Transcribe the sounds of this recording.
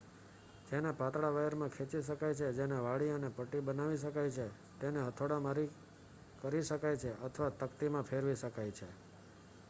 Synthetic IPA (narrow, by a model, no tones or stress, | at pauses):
d͡ʒenepat̪ɽaʋaəɾmãkʰet͡ʃiʃəkajt͡ʃʰed͡ʒeneʋaɭiənepəʈibənaʋiʃəkajt͡ʃʰe | t̪eneɦət̪ʰoɽamaɾi | kəɾiʃəkajt͡ʃʰeʔət̪ʰəʋat̪əkt̪imãpʰeɾʋiʃəkajt͡ʃʰe